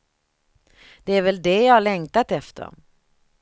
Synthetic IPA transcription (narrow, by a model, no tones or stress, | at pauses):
d̪̥ɛæɾvɛld̪ɛjɑːhaɭɛŋt̪at̪ɛft̪ʰə̰ɾ